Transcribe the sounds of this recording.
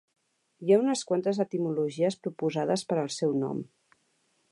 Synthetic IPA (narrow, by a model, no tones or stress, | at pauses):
jaunəskwant̪əzət̪imuluʒiəspɾupuzaðəspəɾəlˠsɛwnɔ̰m